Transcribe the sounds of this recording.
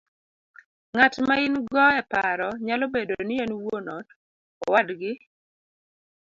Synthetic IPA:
ŋatmaɪnɡɔɛpaɾɔɲalɔbedonienwonɔd | ɔwadɡɪ

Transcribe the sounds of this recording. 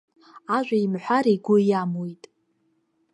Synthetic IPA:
aʒᶣʷaimħʷᶣaɾiɡʷʊjamwojtʼ

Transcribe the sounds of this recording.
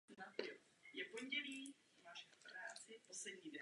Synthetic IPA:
nat̪ɪo | jɛpo̞ɲɟɛliː | maːʃɛp̪ɾaːt͡sɪposlɛdɲiːdɛ

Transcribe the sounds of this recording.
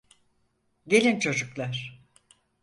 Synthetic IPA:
ɟe̞lʲint͡ʃʰo̞d͡ʒuklˠaɾ̥

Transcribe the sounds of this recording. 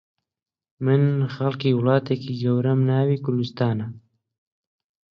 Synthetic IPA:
mɨnxalkiːwlɑːt̪eːkiːɡɐwɾamnaːwiːkʊɾd̪ɪst̪ɑːna

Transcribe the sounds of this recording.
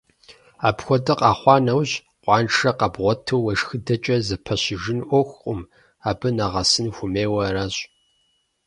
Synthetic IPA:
aːpxʷɔdɐqʼɑːχʷɑːnɐwɕ | qʷʼɑːnʈ͡ʂʰɐqɐbʁʷɔtʰɨwwɐʂxɨdɐt͡ʃʼɐzɐpʰɐɕɪʒɪnʔʷɔxʷqʷʼʊm | aːbɨnaʁɐsɨnxʷʊmeːwɐɾaːɕʼ

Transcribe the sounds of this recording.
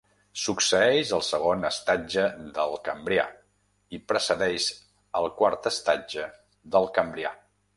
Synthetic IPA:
suksəɛʃəlˠsəɣ̞onəst̪ad͡ʒəðəlˠkəmbɾia̰ | ipɾəsəðɛʃ | əlˠkwaɾt̪əst̪ad͡ʒə | ðəlˠkəmbɾia̰

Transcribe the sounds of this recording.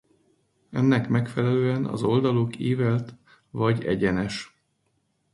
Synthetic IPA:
ɛ̰nːɛkmɛkfɛlɛløːɛnɒ̰zo̞ld̪ɒlokeːvɛlt̪ | vɒɟɛ̰ɟɛnɛʃ

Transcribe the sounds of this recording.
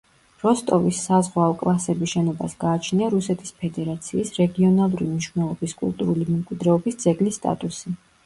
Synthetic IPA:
ɾɔst̪ʼɔvisːazʁwaɔkʼlˠasɛbiʃɛnɔba̰sɡaːt͡ʃʰniaɾusɛt̪ʰʼi̥spʰɛd̪ɛɾat̪sʰiːsɾɛɡiɔnalˠuɾimniʃwnɛlˠɔbiskʼṵlˠt̪ʼuɾulimɛmkʼwid̪ɾɛɔbisd̪zɛɡlist̪ʼa̰t̪ʼusi

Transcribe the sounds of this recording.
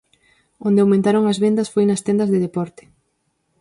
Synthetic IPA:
õnd̪eawmẽnt̪aɾoŋɐzβend̪ɐsfojnɐst̪end̪ɐzðeðepɔɾt̪ɪ̥

